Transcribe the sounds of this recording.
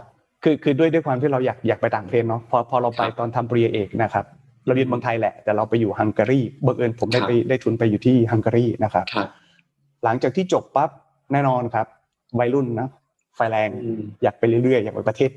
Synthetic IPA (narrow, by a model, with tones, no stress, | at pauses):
kʰɯː˧kʰɯː˧du˥˩jdu˥˩jkʰwaː˧mt̪ʰiː˥˩ɾa˧wjaː˨˩k̚jaː˨˩k̚pa˧jt̪aː˨˩ŋpʰleː˧nːɔ˦˥pʰɔː˧pʰɔː˧ɾa˧wpa˧jt̪ɔː˧nt̪ʰa˧mbɾi˧ɐʔeː˨˩k̚na˦˥kʰa˦˥p̚ | ɾa˧wji˧nmɯ˧ŋt̪ʰa˧jlɛ˨˩t̪ɛː˨˩ɾa˧wpa˧jːuː˨˩ha˧ŋkaː˧ɾiː˥˩bɯː˧ŋʔɤː˧npʰo˩˦mdaː˥˩pa˧jdaː˥˩jt̪ʰu˧npa˧jːuː˨˩t̪ʰiː˥˩ɦa˧ŋkaː˧ɾiː˥˩na˦˥kʰa˦˥p̚ | la˩˦ŋt͡ɕaː˨˩k̚t̪ʰiː˥˩t͡ɕo˨˩p̚ːa˦˥p̚ | nɛː˥˩nɔː˧nkʰa˦˥p̚ | wa˦˧˩jlu˥˩nːa˦˥ | faː˧jlɛː˧ŋjaː˨˩k̚pa˧jlɯ˥˩jɾɯ˥˩əjːaː˨˩k̚pa˧jpɾa˧t̪ʰeː˥˩t̪̚